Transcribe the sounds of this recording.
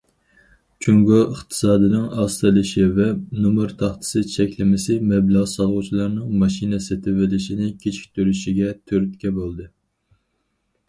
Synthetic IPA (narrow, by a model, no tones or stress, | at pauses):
t͡ʃʰyŋɡuʔəχt̪ʰɨ̥sɑːd̪ɨnɨŋɑst̪ɨlˠɪʃivɛnumɨɾt̪ʰɑχt̪ʰɨ̥sɨt͡ʃʰɛkʲlɪmɪsɪmɛblɑʁsɑʁut͡ʃʰilˠɑɾnɨŋmɑʃinɛset̪ʰɪvɪlɪʃinɪkʲʰet͡ʃʰi̥kʲt̪ʰyɾyʃiɡʲɛt̪ʰøɾyt̪kʲɛbolˠd̪ɨ